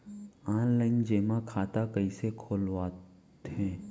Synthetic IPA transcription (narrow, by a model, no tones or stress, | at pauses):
ãːləɪnd͡ʒeːmãkʰaːt̪akəisekʰoːlwaː | ɦɛ̃ː